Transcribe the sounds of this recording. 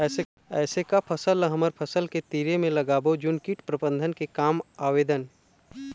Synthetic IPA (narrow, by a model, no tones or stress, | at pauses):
ɛːse | ɛːsekapʰəsəlɦəməɾpʰəsəlket̪iːɾemẽlɐɡaːbod͡ʒʊnkiʈpɾəbə̃nd̪ʱənkekaːmaːʋeːd̪ən